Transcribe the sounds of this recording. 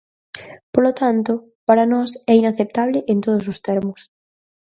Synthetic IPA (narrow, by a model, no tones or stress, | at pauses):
polot̪ant̪ʊ | paɾanɔsɛinaθep̚t̪aβlɪʔent̪oðʊs̬ʊst̪ɛɾmʊs